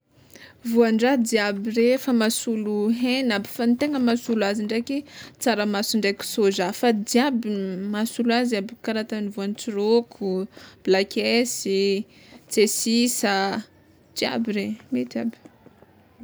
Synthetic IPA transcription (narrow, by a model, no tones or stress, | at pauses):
vuaɳɖ͡ʐad̪iabirefamasuluɦenabi̥fant̪eŋəmasuluaziɳɖ͡ʐaket͡saɾəmasuɳɖ͡ʐakʲu̥sozafad̪iabimasulaziabikaɾat̪anivuant͡siɾokʰub̥lakʲesi | t͡sesisa | d̪ia̰biɾemet̪ia̰bi̥